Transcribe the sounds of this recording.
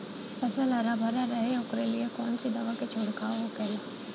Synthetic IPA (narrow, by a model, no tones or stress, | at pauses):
fɐzəlɦɐɾabʱɐɾaɾɐɦeʊkɾeliekɔːnsid̪ɐʋaket͡ʃʰʊɽkaːɦokɐi